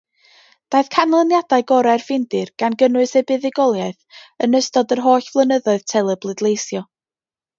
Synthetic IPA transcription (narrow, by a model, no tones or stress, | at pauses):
d̥ajθkʰanlˠənjad̥aɨɡɔɾɛrvɪndɨrɡ̥anɡənʊɨsɛbɪðɪɡɔlˠjaɨθənəstɔdərɦoːɬv̥lˠənəðɔɨð̥tʰɛlˠɛblˠɨdlˠejsjɔ